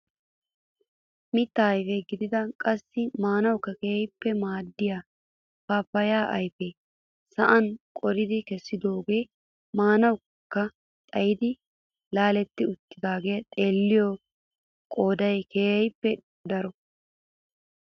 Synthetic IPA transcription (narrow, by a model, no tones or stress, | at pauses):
mɪt̪ːɐɐjfeɡɪd̪ɪd̪ɐkʼɐsːɪmaːnɐwkːɐkeːɛjpːɛmaːd̪ːɪjaː | paːpːɐjaːʔɐjfe | sɐʔɐnkʼɔɾɪd̪ɪkɛsːɪd̪o̞ːɡe̞ː | maːnɐw | kːɐ | t̪ʼɐjɪd̪ɪ | laːlɛt̪ːɪʊt̪ːɪd̪aːɡejɐt̪ʼe̞ːlːɪjo | kʼoːd̪ɐjkeːɛjpːɛ | d̪ɐɾɔ